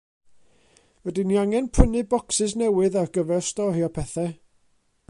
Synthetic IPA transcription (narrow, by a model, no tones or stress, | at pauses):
wɛdinːiaŋɛnpʰənɨbɔksɨsnɛwɨðarɡəvɛrstɔhiɔpʰɛθɛ